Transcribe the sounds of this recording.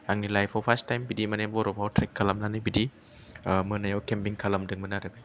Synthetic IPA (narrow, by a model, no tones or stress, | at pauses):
aŋnilajpʰɔpʰastajmbidimanebɔɾɔbʰawtʰɾekʰːalamlanɯbidi | mɯnajawkempiŋkʰalɐmdɯŋmɯnaɾɯbi